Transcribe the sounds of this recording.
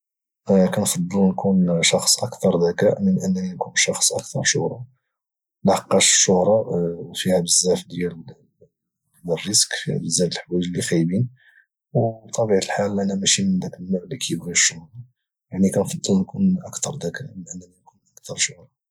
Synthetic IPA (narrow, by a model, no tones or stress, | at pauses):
kænfɑd̪ˤːəlnkunʃɑxsˤʔəkt̪ɑɾˤd̪ækæmənʔənːninkunʃɑxsˤʔək̚t̪ʰɑɾˤʃʊ̰hɾˤɑ | nɑħqːɑʃə̥ʃːʊhɾˤɑwfihæbəzːæfd̪jæl | wərːəskfihæ̰bəzːæfəlħwæjʒlixæjbin | wt̪ˤːɑbiʕaəlħalʔænæmæʃimənd̪ækəlːaʕlikʰæjəbɣiʃːʊhɾˤɑ | jaʕnikænfɑd̪ˤːəlnkunʔəkt̪ɑɾˤd̪ækæmənʔənːæninkunʔəkt̪ʰɑɾˤʃʊhɾˤɑ